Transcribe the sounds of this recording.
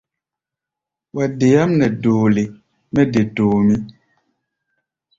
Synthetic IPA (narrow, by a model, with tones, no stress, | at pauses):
wa˨de˨a˦mnɛ˨doː˨le˨ | mɛ˦de˨doː˨mi˦